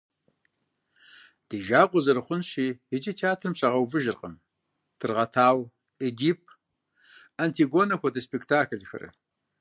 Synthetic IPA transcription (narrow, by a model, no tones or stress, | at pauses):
d̥iːʒaːqʷʊzɐɾɨχʷʊnɕiːjɨd͡ʒɐtʰiaːtʰrɨmɕʼɐʁɐwvɨʒɨrqʼə̰m | d̥ʰɨrʁɐtʰaːw | ediːp̚ʰ | ɐntʰiɡoːnɐxʷɐdɐspektʰaːkɮxɐ̰ɾɨ̰